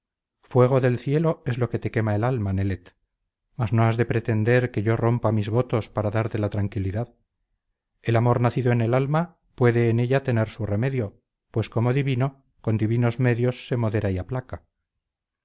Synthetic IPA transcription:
fwe̞ɣ̞o̞ðe̞lθje̞lo̞e̞zlo̞ke̞t̪e̞ke̞mae̞lalmane̞let̪ | mazno̞azðe̞pɾe̞t̪e̞nd̪e̞ɾke̞ʝo̞ro̞mpamizβo̞t̪o̞spaɾaðaɾt̪e̞lat̪ɾaŋkiliðað | e̞lamo̞ɾnaθiðoene̞lalma | pwe̞ðe̞ːne̞ʎat̪e̞ne̞ɾsure̞me̞ðjo̞ | pwe̞sko̞mo̞ðiβino̞ | ko̞nd̪iβino̞zme̞ðjo̞sːe̞mo̞ðe̞ɾaiaplaka

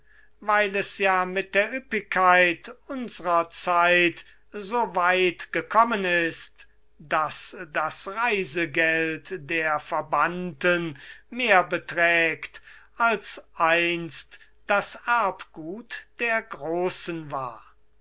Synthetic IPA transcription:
vaɪlɛsjaːmɪt̚d̥eːɐʔʏpɪkʰːaɪtʊnzəʁɐt͡saɪt | zoːvaɪtɡ̥əkʰɔmənɪst | d̥asd̥asʁaɪzəɡɛltdeːɐfɛɐbantənmeːɐbətʁɛːktʔalsʔaɪnst | d̥asaɐpɡ̥uːtd̥eːɐɡʁoːsənvaːɐ

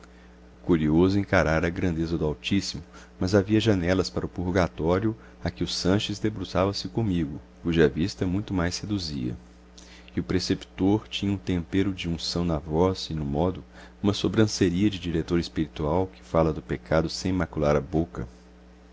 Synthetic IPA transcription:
kuɾiozʊẽŋkaɾaɾɐɡɾɐ̃nd̪ezɐd̪ʊawt͡ʃisimʊ | mɐzaviɐʒɐ̃nɛlɐspaɾɐʊpuɾɡat̪ɔɾjʊ | akɪʊsɐ̃ʃɪzd̪ebɾuzavɐsɪkõmiɡʊ | kuʒɐɐvist̪ɐmũj̃t̪ʊmajshed̪uzḭɐ̰ | ɪʊpɾesepi̥t̪oɾt͡ʃĩɲɐũt̪ẽmpeɾʊd͡ʒɪũsɐ̃w̃nɐvɔzɪnʊmɔd̪ʊũmɐsobɾɐ̃seɾiɐd͡ʒɪd͡ʒiɾet̪oɾespiɾit̪uawkɪ̥falɐd̪ʊpekʰad̪ʊsẽj̃ĩmakulaɾɐbokɐ

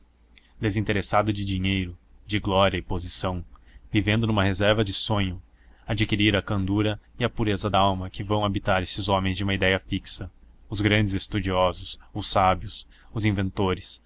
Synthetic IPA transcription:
d̪ezĩnt̪eɾesad̪ʊd͡ʒɪd͡ʒiɲejɾʊd͡ʒɪɡlɔɾjɐɪpozisɐ̃w̃vivẽnd̪ʊnũmɐɦezɛɾvɐd͡ʒɪsõɲʊ | ad͡ʒikiɾiɾɐkɐ̃nd̪uɾɐɪɐpuɾezɐd̪aawmɐkɪvɐ̃w̃abit̪aɾesɪzɔ̃mẽj̃zd͡ʒɪumɐid̪ɛjɐfiksɐʊzɡɾɐ̃nd͡ʒɪzest̪ud͡ʒiɔzʊsʊsabjʊs | ʊzĩvẽnt̪oɾɪs

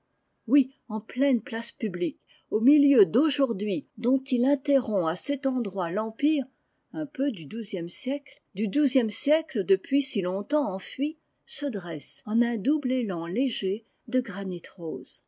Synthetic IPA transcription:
wi | ɑ̃plɛnplaspyblik | omiljød̪oʒuʁd̪ɥid̪ɔ̃t̪ilɛ̃t̪eʁɔ̃asɛt̪ɑ̃d̪ʁwalɑ̃piːʁ | ɛ̃pød̪yd̪uzjɛmsjɛkl | d̪yd̪uzjɛmsjɛkləd̪əpɥisilɔ̃t̪ɑ̃ɑ̃fɥi | səd̪ʁɛsɑ̃nɛ̃d̪ublelɑ̃leʒe | d̪əɡʁanit̪ʁoːz̥

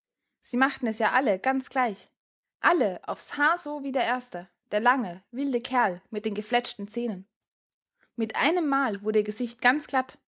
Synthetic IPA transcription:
z̥iːmaχtn̩ɛsjaːʔaləɡ̥ant͡sɡ̥laɪç | ʔaləʔa̰ʊfshaːɐzoːviːdeːɐʔeːɐstə | d̥eːɐlaŋəvɪldəkʰɛɐlmɪt̚d̥eːnɡəflɛt͡ʃtn̩t͡sɛːnən | mɪtʔa̰ɪnəmːaːlvʊɐdəiɐɡəzɪçt̚ɡ̥ant͡sɡ̥lat

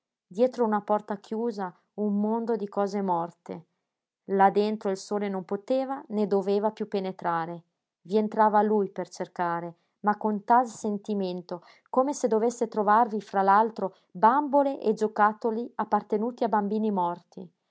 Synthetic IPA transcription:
d̪jɛːt̪ɾounapɔrt̪akjuːza | umːond̪od̪ikɔːzemɔrt̪e | lad̪ent̪ɾoilsoːlenompot̪eːvaned̪oveːvapjupːenet̪ɾaːɾe | vient̪ɾaːvalujpert͡ʃerkaːɾe | makːont̪alsent̪iment̪o | komesed̪ovesːet̪ɾovarvifɾalalt̪ɾo | bamboleʔed͡ʒokat̪ːoliapːart̪enuːt̪iabambiːnimɔrt̪i

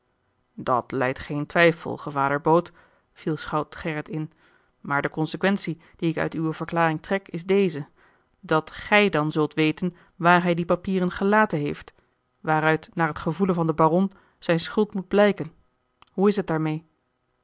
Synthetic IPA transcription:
dɑ̰tlɛ̰jtχejntʋɛjfə̰lˠχəvaːdəɹbowt | v̥ilˠsχɑwtχɛɹətɪn | maːɹdəkɔnsəkʋɛnsi | d̥iɪkœ̰ɥtywəv̥əɹklaːrɪŋtrɛkɪzdejzə | dɑtχɛjdɑnzɵlˠtʋejtən | ʋaːɹɦɛjdipapiːrənχəlaːtənɦejft | ʋaːɾœɥtnaːɹɦətχəvulənvɑndəbarɔn | z̥ɛjnsχɵlˠtmud̚blɛjkən | ɦuɪsɦət̚daːɹmej

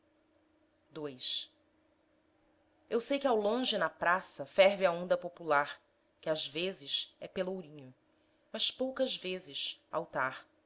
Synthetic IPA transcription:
d̪ojs | ewsejkɪawlõʒɪnɐpɾasɐfɛɾvɪɐõnd̪ɐpopulaɾ | kɪazvezɪʃɛpelowɾĩɲʊ | mɐʃpowkɐzvezɪʃa̰wt̪aɾ

